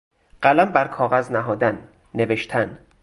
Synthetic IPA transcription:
ɢ̥ælæmbæɾkʰɒːɣæznæɦɒːd̪ænː | eve̞ʃt̪ʰæn

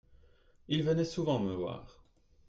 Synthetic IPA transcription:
ilvənɛsuvɑ̃məvwa̰ːʁ

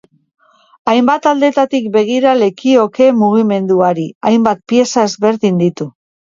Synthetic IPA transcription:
ajmbat̪ald̪e̞t̪at̪ik̚be̞ɣ̞iɾale̞kio̞ke̞muɣ̞ime̞nd̪uaɾiajmbat̪̚pie̞sae̞zβe̞ɾðind̪it̪u

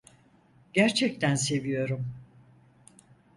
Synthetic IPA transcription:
ɟæɾt͡ʃʰɛc̚t̪ʰænse̞vijo̞ɾum

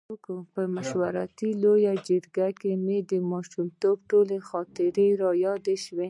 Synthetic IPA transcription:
kopəmaʃwaɾɑ̰t̪ilojad͡ʒɪɾɡakemed̪əmɑʃumt̪obʈolexɑt̪ɪɾeɾɑjɑd̪eʃwe

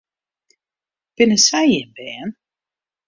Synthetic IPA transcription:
b̥ɪnəsɛjɪnbɛːn

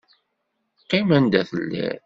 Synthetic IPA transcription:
qimænd̪æθəlːæ̰ɾ

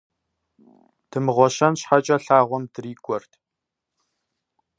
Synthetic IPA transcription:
d̥ɨmɨʁʷɔɕɐnɕħat͡ʃʼɐɬaːʁʷɔmdɨriːɡʷʼɔrtʰ

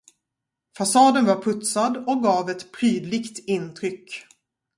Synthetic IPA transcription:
fasɑːd̪ənvaɾpʰɵt̪sad̪ɔk̚ɡɑːvɛt̪pʰɾyːd̪lɪɡt̪ɪnt̪ʰɾʏkː

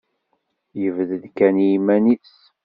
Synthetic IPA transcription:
jəvðəðkænimænis

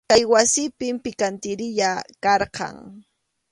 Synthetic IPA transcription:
kajwasɪpɪmpɪkant̪ɪɾɪʎakɑɾqɑ̰ŋ

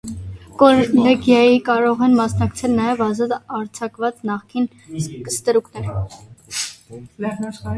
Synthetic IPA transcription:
kɔɾlɛɡjɑjikɑɾɔʁɛnmɑsnɑkt͡sʰɛlnɑjɛvɑzɑt̪ɑɾt͡sʰɑkvɑt͡snɑχkin | kə̥st̪əɾuknɛɾ

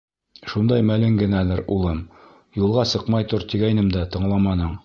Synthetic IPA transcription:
ʃund̪ɑjmælɘŋɡɘ̆nælæɾṵlˠɤm | julˠʁɑsɤqmɑjt̪oɾt̪iɡæjnɘmd̪æt̪ɤ̆ɴlˠɑmɑnɤɴ

